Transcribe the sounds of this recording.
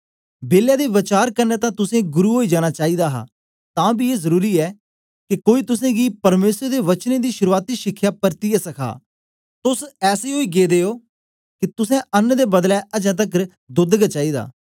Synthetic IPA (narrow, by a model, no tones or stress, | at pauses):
beːljaːd̪eːʋɪt͡ʃaːɾkəɾneːt̪ãːt̪ʊsẽːɡʊɾuːɦoːiːd͡ʒaːɽ̃aːt͡ʃaːiːd̪aːɦa̰ː | t̪ãːbiːeːzəɾuːɾiːɛː | kɪkoːiːt̪ʊsẽːɡiːpəɾmeːsəɾd̪eːʋət͡ʃneːd̪iːʃʊɾuːaːt̪iːʃɪkʰːjaːpəɾt̪ijɛːsəkʰa̰ː | t̪ʊsɛːseːɦoːiːɡeːd̪eːoː | kɪt̪ʊsɛ̃ːənːd̪eːbəd̪lɛːʔəd͡ʒãːt̪̬ək | d̪ʊd̪ɡt͡ʃaːiːd̪a̰ː